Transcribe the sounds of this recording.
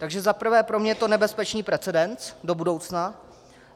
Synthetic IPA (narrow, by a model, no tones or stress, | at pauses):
t̪aɡʒɛzapr̩vɛːpɾo̞mɲɛt̪o̞nɛbɛspɛt͡ʃniːpɾɛt͡sɛdɛnt͡sdo̞budo̞wt͡sna